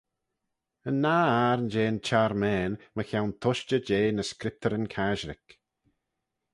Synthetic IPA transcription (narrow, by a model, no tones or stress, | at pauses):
ənːaːaɾənd͡ʒeːnt͡ʃʰaɾmɛːnməxawnt̪ʰʊʃt͡ʃəd͡ʒeːnəskɾɪp̚t̪ʰəɾənkʰaʒɾɪk